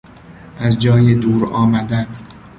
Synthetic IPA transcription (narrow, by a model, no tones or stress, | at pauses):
ʔæzd͡ʒɒːjed̪uːɾɒːmæd̪æn